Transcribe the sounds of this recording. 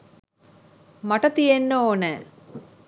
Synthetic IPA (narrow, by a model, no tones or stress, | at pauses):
maʈət̪ijenːoːnɛː